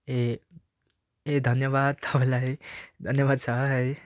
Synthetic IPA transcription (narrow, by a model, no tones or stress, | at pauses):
e | ed̪ʱʌnjʌbad̪̚t̪ʌpalajd̪ʱʌnjʌbad̪̚t͡sʰʌɦʌj